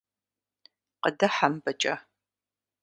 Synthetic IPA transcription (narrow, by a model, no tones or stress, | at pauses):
qədɐħambɐt͡ʃʼɐ